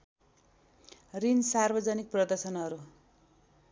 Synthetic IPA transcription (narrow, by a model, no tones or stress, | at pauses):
rinsarbʌd͡zʌnik̚prʌd̪ʌrsʌnʌɾu